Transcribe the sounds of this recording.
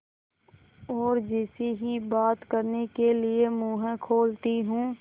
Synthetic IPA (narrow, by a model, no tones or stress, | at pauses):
ɔːɾd͡ʒɪsiɦibaːt̪kəɾnekeliemũːɦə̃kʰoːlt̪iɦũː